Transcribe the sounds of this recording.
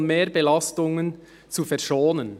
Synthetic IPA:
nmeːɾbɛlɑstʊŋən | t͡sufɛʁʃoːnən

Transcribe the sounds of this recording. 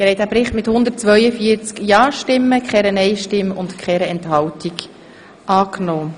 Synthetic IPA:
ɪhɛjtd̥æːpɾɪχtmɪthʊnd̪ət̚t͡sʋœʏəfiːəɾt͡skjɑːʃtɪmːəkχɛɾənɛɪʃtɪmʊntkʰχɛɾəɛnthɑwtik | ʔɑːknoː

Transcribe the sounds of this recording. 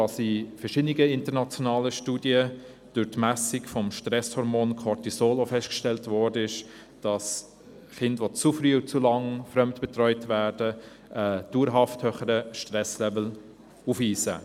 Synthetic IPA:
ɑsifɛʃɪdniɡəɪntənɑt͡sjɔnɑːləʃtuːdiə | d̥ʊɾtmæsikfɔmʃtrɛshɔɾmoːnkʰɔɾtisoːlofɛst̚kʃtɛltvɔɾdəɪʃ | d̥ɑs | χɪndʋɔt͡sufryːʊt͡sulɑŋfɾœmtb̥ɛtrœʏtvæːɾd̥ə | ʔɛd̥uːɾɦɑfthøːχəɾəʃtrɛslɛvl̩ | ufiːsə̰

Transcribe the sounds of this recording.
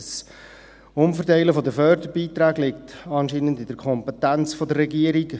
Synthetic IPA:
s | ʊmfəɾtæɪləfɔd̪əfœɾdəɾbiːt̪ɾæːɡlɪktɑnʃiːnəndɪd̥əɾkʰχɔmpɛtænt͡sfɔdəɾːɛɡiəɾik

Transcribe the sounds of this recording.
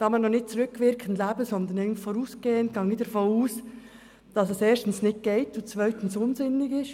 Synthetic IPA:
kɑmɑnɔχnɪt̚t͡suɾʏkʰʋɪɾkʰən̩dlæːbəsɔnd̪ənɪɡntfoːɾuːsɡ̥eːənɡ̥ɑŋiːdɛɾfoːuːs | d̥ɑsɛseːɾʃtən̩snɪt̚ɡ̥ɛɪtʊnt͡svœʏtən̩sʊnzɪnːɪɡɪʃ

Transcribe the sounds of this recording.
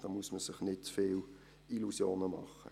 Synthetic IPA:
d̥ɑːmuəsməsɪχnɪtfɪːl | ilusjoːnəmɑ̰χə̰

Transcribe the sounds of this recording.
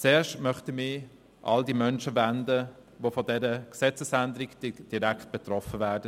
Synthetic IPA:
t͡seːʃtmœχtəmɪ | ʔa̰ldimœnʃəvændə | ʋofɔdɛɾəksɛt͡səsændəɾikd̥id̥iɾækt̚b̥ɛt̪ɾɔfəvæːdə

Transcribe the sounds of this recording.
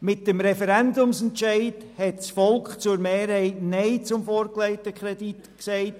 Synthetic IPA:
mɪt̚dəmɾɛfɛɾɛndʊmsɛntʃɛɪdhɛtt͡sfɔlkχt͡sʊɾmeːɾhɛɪtneɪt͡sʊmfɔːɾkleɪtəkχɾɛditksɛɪt

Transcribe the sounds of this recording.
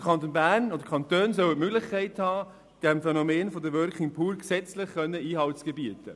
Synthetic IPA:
kʰɑnt̪onbæːrnod̥əkʰɑnt̪øːnsœwətmøɡlɪχkʰɛɪthɑː | d̥ɛmfɛnomeːnfɔd̪əɾʋœɾkɪŋpʰuːɾksɛt͡slɪχkœnːəiːɦɑltsɡ̥ɛbiətə

